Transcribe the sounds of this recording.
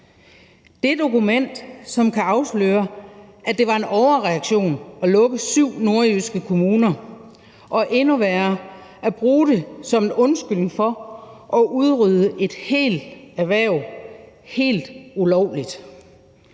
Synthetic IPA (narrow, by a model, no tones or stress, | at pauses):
d̥e̝d̥o̝kumen̰d̥sɒ̽mkʰæɑ̈ʊslø̰ːɐʔæd̥e̝ʋɑ̈e̝nʔɒʊɐʁɛɑ̈ɡ̥ɕo̝̰ːnɒ̽lɔ̽ɡ̥əsyʊ̰no̝ɐysɡ̥əkʰo̝muːnɐ | ʔɒ̽ʔe̝nuʋæɐ | æb̥ʁuːd̥e̝sɒ̽menɔ̽nsɡ̥yl̰ŋ̩fɒ̽ʔɒ̽ʔuð̞ˠʁyð̞ˠəʔe̝d̥he̝̰ːld̥æʋæɐʊ | he̝̰ːld̥ulɒʊ̰lid̥